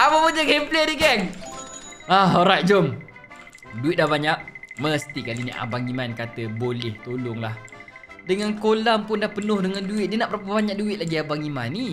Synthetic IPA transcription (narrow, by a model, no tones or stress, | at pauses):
aməpuɲaɡɛmplediɡɛŋ | ahoɾaʔ̪̚d͡ʒɔm | duɪt̪̚dahbaɲaʔ̚məst̪ikalinḭʔa̰baŋimankat̪əbolɛht̪olʊŋlahdəŋankolaŋpʊndahpənʊhdəŋanduɪt̪̚diənaʔpəɾap̬əbaɲak̚duɪt̪̚laɡiabaŋimani